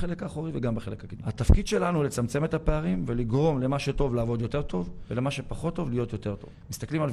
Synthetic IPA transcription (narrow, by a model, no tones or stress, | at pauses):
elekaːχoʁiveɡambeχe̞lekakid̪mat̪afkid̪ʃe̞lanulet͡samt͡se̞met̪hape̞aʁimve̞liɡʁo̞mle̞maʃeto̞vlaːvo̞d̪jo̞te̞ʁt̪ʰo̞vvele̞maʃepaχo̞t̪ːo̞vlijo̞t̪jo̞te̞ʁt̪o̞̰vmist̪aklimal